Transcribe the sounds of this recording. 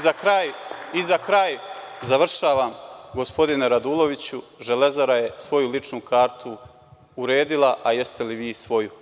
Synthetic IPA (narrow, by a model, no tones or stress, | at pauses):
zakɾaːjizakɾajzaʋr̩ʃaːʋaːmɡo̞spo̞d̪ineɾad̪uːlˠo̞ʋit͡ɕu | ʒe̞le̞zaɾaje̞sʋo̞julit͡ʂnukʰaːɾt̪ʰu | uɾe̞ːd̪ilˠaʔaje̞st̪e̞liʋiːsʋo̞ju